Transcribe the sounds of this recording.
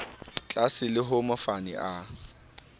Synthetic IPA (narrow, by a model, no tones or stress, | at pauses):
t͡ɬʼasɪlɪɦʊmafanɪ̰ʔa